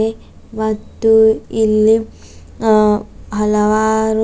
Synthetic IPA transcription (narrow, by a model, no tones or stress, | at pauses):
e | mɐt̪ːuilːi | ɦɐlɐʋaːɾu